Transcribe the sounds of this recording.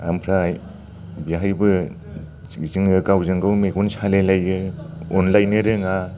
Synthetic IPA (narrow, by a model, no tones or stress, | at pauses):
a̰mpʰɾaj | biɦajbɯ | iziŋɯkawzɯŋɡɯwmekunsalelajɯɔnlajnɯɾɯŋa